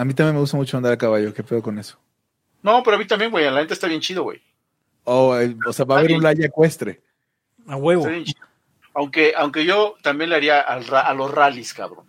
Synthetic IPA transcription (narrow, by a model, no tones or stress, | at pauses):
amĩt̪amjenmeust̪amut͡ʃoand̪aɾalkaβaʝo̞kepe̞ðoko̞ne̞so̥ | nope̞ɾoamit̪ambje̞nɡwejanlaxe̞nt̪est̪aβjent͡ʃiðoɣwḛj | oeoseaβaβeɾunlaʝakwe̞st̪ɾe | aweβoaβjent͡ʃio | awŋke̞ʔawŋke̞ʝo̞t̪ambje̞nle̞aɾiaʔalraʔalosraliska̰βɾo̰n